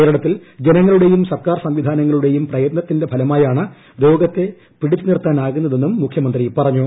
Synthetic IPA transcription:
ejɾɐɽɐt̪ːild͡ʑenɐŋːɐɭuɽe̞jumsɐrkaːrsɐmʋid̪ʱaːnɐŋːɐɭuɽe̞jumprɐjɐt̪̚nɐt̪ːinde̞bʱɐlɐmaːjaːɳɨ | ɾo̞ːɡɐt̪ːe̞ | piɽit͡ɕːunirt̪ːaːnaːɣunːɐðe̞nːumːukʰjɐmɐnd̪ripɐrɐɲːu

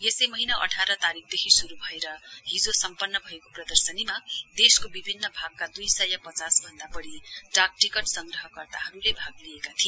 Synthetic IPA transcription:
jesʌjmʌɦinaʔʌ̰ʈʰaɾʌt̪aɾik̚ʰd̪ekʰisuɾubʱʌeɾʌɦid͡zosʌmpʌnːʌbʱʌekoprʌd̪ʌrsʌnimad̪eskobibʱinːʌbʱaɡ̚kad̪ujsʌjʌpʌt͡sasbʱʌnd̪abʌɽiʈak̚ʈikʌʈsʌŋɡrʌɦʌkʌrt̪aɦʌɾulebʱaɡliekat̪ʰie

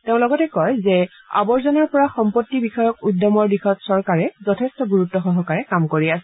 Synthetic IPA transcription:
teʊ̃lɔɡɔtɛkɔjzɛ | a̰bɔɹzɔnɔɹpɔɹaxɔmpotːibixɔjɔkujdɔmɔɹdixɔtsɔɹkaɹɛzɔtʰɛstɔɡuɹutːɔxɔɦɔkaɹɛkamkoɹiasɛ

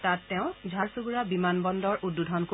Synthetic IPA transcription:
tatːɛʊ̃d͡ʒʱaɹsuɡuɹabimanbɔndɔɹudːudʱɔnko

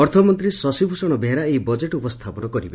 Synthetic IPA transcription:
ɔɾt̪ʰɔmɔnt̪ɾisɔsibʱusɔɽ̃ɔbʱeɾaejbɔd͡ʒeʈupɔst̪ʰapɔnɔkɔɾibe

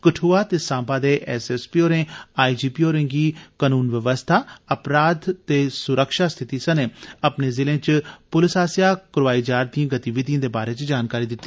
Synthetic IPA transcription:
kəʈʰuːaːt̪eːsãːbaːd̪eːʔɛsɛːspiːoːɾẽːaːid͡ʒiːpiːoːɾẽːŋɡiːkanuːnʋəʋəst̪ʰaːəpɾaːd̪t̪eːsʊɾəkʃaːst̪ʰɪt̪iːsəneːəpneːzɪlẽːt͡ʃpʊlɪsaːsijaːkəɾaːiːd͡ʒaːɾd̪ĩjãːɡət̪iːʋɪd̪iãːd̪eːbaːɾeːt͡ʃd͡ʒaːnkaːɾiːd̪ɪt̪ːi

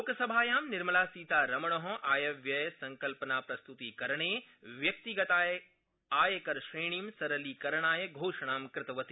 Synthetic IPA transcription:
loːkɐsɐbʱaːjaːmnɪɾmɐlaːsiːt̪aːɾɐmɐɽ̃ɔɦɔʔaːjɐʋjɐjsɐ̃ŋkɐlpɐnaːpɾɐst̪ut̪ikɐɾɐɽ̃eː | ʋjɐk̚t̪iɡɐt̪aːj | aːjɐkɐɾʃɾeːɽ̃iːmsɐɾɐliːkɐɾɐɽ̃aːjɐɡʱoːʃɐɽ̃aːmkɾɪt̪ɐʋɐt̪i

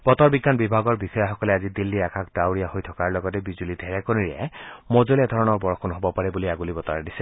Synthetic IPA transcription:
b̥ɔtɔɹbiɡːanbibʱaɡɔɹbixɔjaxɔkɔlɛazidilːiɹakʰakdawɹijahojtʰɔkaɹlɔɡɔtɛbizulidʱɛɹɛkoniɹiɛ̰mɔzoliɛd̪ʱɔɹɔnɔɹbɔɹɔkʰɔnɦobɔpaɹɛbuliaɡulibɔtɔɹadisɛ

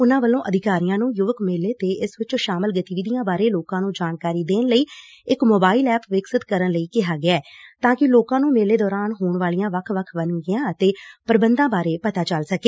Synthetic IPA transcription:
ʊnãːʋəlːõːʔəd̪ɪkaːɾijãːnũːjʊʋəkmeːleːt̪eːʔɪsʋɪt͡ʃõːʃaːməlɡət̪iːʋid̪ijãːbaːɾeːloːkãːnũːd͡ʒaːnkaːɾiːd̪eːnləiː | ɪkmoːbaːɪlɛːpʰʋɪksəd̪kəɾənləiːkɪɦaːɡɪaɛːt̪ãːkɪloːkãːnũːmeːleːd̪ɔːɾaːnɦoːɳʋaːlijãːʋəkʰʋəkʰʋənɡɪjãːət̪eːpəɾbənd̪ãːbaːɾeːpət̪aːt͡ʃəlsəkeː

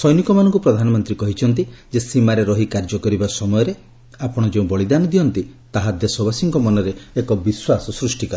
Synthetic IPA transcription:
sɔjnikɔmanɔŋkupɾɔd̪ʱanɔmɔnt̪ɾikɔɦit͡ʃʰɔnt̪id͡ʒesimaɾeɾɔɦikaɾd͡ʒɔkɔɾibasɔmɔjɔɾe | apɔɽ̃ɔd͡ʒeũbɔɭid̪anɔd̪iɔnt̪it̪aɦad̪esɔbasiŋkɔmɔnɔɾeːkɔbiswasɔsɾusʈikɔ

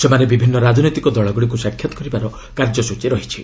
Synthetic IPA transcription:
semanebibʱinːɔɾad͡ʒʱɔnɔjt̪ikɔd̪ɔɭɔɡuɽik̬usakʰːjɔt̪ɔ̥kɔɾibaɾɔ | kaɾd͡ʒɔsut͡ʃeɾɔɦit͡ʃʰi

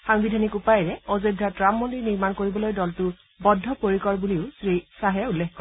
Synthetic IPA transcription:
xaŋbidʱanikupajɹɛozedʱːatɹamːɔndiniɹmankoɹibɔlojdɔltʊ | bɔdʱːɔpoɹikɔɹbuliʊsɹisaɦɛulːexkɔɹ

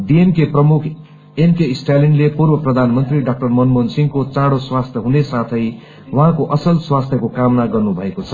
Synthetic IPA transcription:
ɖienkeprʌmukʰ | enkeisʈalinlepurbʌprʌd̪ʱanmʌnt̪riɖak̚ʈʌrmʌnmʌnsiŋkot͡sãɽoswast̪ʰjʌɦunesat̪ʰʌj | wʌɦãkoʔʌsʌlswast̪ʰjʌkokamnaɡʌrnubʱʌekot͡sʰʌ̥

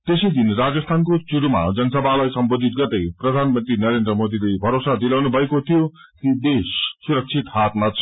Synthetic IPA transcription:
t̪esʌjd̪inrad͡zʌst̪ʰankot͡suɽuma̰d͡zʌnʌsʌbʱalajsʌmbod̪ʱit̪̚ɡʌt̪ʌjprʌd̪ʱanmʌnt̪rinʌɾend̪ɾʌmod̪ilejbʱʌɾosad̪ilawnubʱʌekot̪ʰijo | t̪id̪esːuɾʌk̚t͡sʰit̪hat̪mat͡sʰ

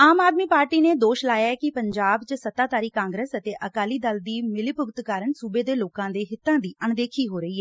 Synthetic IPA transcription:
aːmaːd̪miːpaːɾʈiːneːd̪oːʃlaːjaːɛkɪpəɲd͡ʒaːbt͡ʃəsət̪ːaːt̪aːɾiːkãːŋɡɾəsət̪eːʔəkaːliːd̪əld̪iːmɪlɪpʊɡt̪kaːɾənsuːbeːd̪eːloːkãːd̪eːɦɪt̪ːãːd̪iːʔəɳd̪eːkʰiːɦoːɾəiːɦɛː

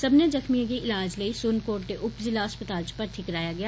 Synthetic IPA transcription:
sɐbnezɐxmiãɡiʔɪlaːd͡ʒləisʊnkoːɖʈ̪eʔʊpzɪlaɦɐspət̪aːlt͡ʃpɐɾt̪ʰɪkɾaːjaɡɐjaː

